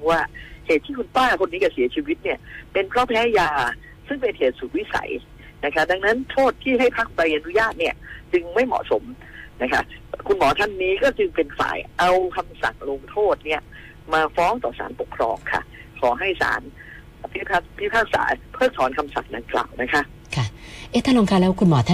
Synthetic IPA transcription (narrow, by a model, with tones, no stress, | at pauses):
waː˥˩heː˨˩t̪ʰːiː˥˩kʰu˧np̪aː˥˩kʰo˧nːiː˦˥ka˧˩si˨˩˦ɐt͡ɕʰiː˧wi˦˥t̪̚ni˥˩ɐpe˧npʰlɔː˥˩pʰɛː˦˥jaː˧ | sɯ˥˩ŋpe˧nheː˨˩t̪̚suː˨˩t̪̚wi˦˥˩sa̰˩˦j | na˦˥kʰa˦˥da˧ŋna˦˥nt̪ʰoː˥˩t̪ʰːiː˥˩ɦa˥˩jpʰa˦˥k̚pa˧jʔa˧nu˦˥jaː˥˩t̪̚ni˥˩ɐt͡ɕɯ˧ŋma˥˩jmɔ̰˨˩so˨˩˦m | na˦˥kʰa̰˦˥˩kʰu˧nmɔː˨˩˦t̪ʰa˥˩nːiː˦˥kɔː˥˩t͡ɕɯ˧ŋpe˧nfa̰ː˨˩˦jʔa˧wkʰa˧msa̰˨˩ŋlo˧ŋt̪ʰoː˥˩t̪̚ni˥˩ɐ | maː˧fɔː˦˥ŋt̪ɔ̰ː˨˩sa̰ː˩˦npo˨˩kʰːɾɔ̰ː˧ŋkʰa̰˥˩kʰɔː˩˦ɦa˥˩jsa̰ː˩˦n | pʰi˦˥pʰaː˥˩k̚pʰi˦˥pʰaː˥˩k̚sa̰ː˩˦pʰɤː˥˩k̚t̪ʰɔː˩˦nkʰa˧msa̰˨˩ŋ̚da˧ŋkla̰ː˨˩wna˦˥kʰa˦˥ʔ | kʰa˥˩ʔeː˦˥˩t̪ʰaː˥˨oː˧ŋkʰa˦˥˩lɛː˦˥wkʰu˧nmɔː˩˦t̪ʰa˥˩